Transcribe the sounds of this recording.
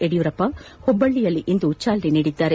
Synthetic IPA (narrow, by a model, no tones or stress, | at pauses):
eɽijuɾɐpːɐhɔbːɐɭːijɐlːiʔind̪ut͡ʃaːlɾiniːɽid̪ːaːɾe